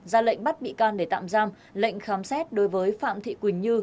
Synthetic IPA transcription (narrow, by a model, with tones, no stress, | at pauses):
zaː˧lə̰˧˨jŋ̟ɓa˦˥t̚ɓḭ˧˨kɔ˧nɗe˧˩t̪a̰ː˧˨mzaː˧m | lə̰˧˨jŋ̟xaː˨˦msɛ˦˥t̚ɗo˨˦jvəː˨˦jfa̰ː˧˨mt̪ʰḭ˧˨kwi˧˩ŋɲɨ˧